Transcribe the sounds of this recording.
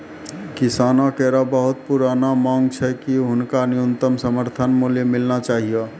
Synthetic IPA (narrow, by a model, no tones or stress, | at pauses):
kɪsaːnakɛɾabəɦʊt̪̚puɾaːnamãːŋɡ̚t͡ʃʰɛkiɦʊnkanijənt̪əmsəməɾt̪ʰənmuljemɪlnat͡ʃaːɦije